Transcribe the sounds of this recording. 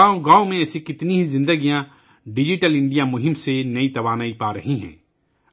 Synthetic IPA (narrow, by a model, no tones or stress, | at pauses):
aːoɡãːomẽɛːsikɪt̪niɦizɪ̃nd̪əɡijã | ɖɪd͡ʒɪʈəlɪ̃ɳɖijamʊɦɪ̃msenɐit̪ɐʋaːnaːipaːɾɐ̰ɦiɦɛ̰̃ː